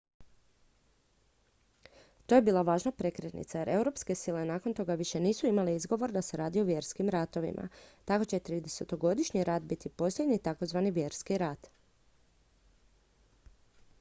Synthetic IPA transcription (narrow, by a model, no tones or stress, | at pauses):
t̪o̞jebiːlˠaʋaːʒnapɾe̞kɾet̪nḭt̪sajeɾʔe̞wɾo̞pske̞silenaːko̞nt̪o̞ɡaʋiʃe̞niːsuimaliizɡo̞ʋo̞ɾd̪ase̞ɾaːd̪ioʋje̞ɾskimɾat̪o̞ʋḭmʔa̰t̪ako̞t͡ɕe̞t̪ɾiːd̪eset̪o̞ɡo̞d̪iʃɲiɾat̪̚bit̪ipo̞slʎʲe̞d̪ɲit̪ako̞zʋaniʋje̞ɾskiɾat̪